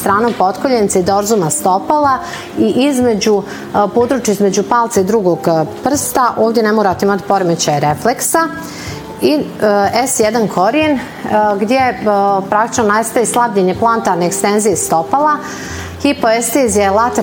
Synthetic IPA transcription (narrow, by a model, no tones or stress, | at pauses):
t̪ɾaːnopot̪koʎent̪said̪oɾzumast̪opalˠa | iʔizme̞d͡ʑu | pod̪ɾuːt͡ʃjaizme̞d͡ʑupalˠt̪said̪ɾuɡoɡpr̩st̪aʔoːvd̪jenemoːɾat̪eimat̪i̥po̞ɾemet͡ɕaɾefleksa | iɛsjed̪ankʰoɾien | ɡd̪jepɾakt̪i̥t͡ʃnonajst̪ajeslˠabʎeɲeplˠant̪aɾneːkst̪enzijest̪o̞pala | xipoest̪ezijelat̪